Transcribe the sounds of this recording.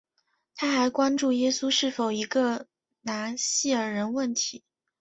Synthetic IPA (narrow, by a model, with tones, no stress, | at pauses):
t̪ʰa˥xa˧˥ɪkwa˥nʈ͡ʂu˥˩jɛ˥su˥ʂɻ̩˥˩fo˨˩ʊi˧˥ɡə˧ | na˧˥nɕi˥˩ə˞˨˩ɻə˧˥nwə˥˩nt̪ʰi˧˥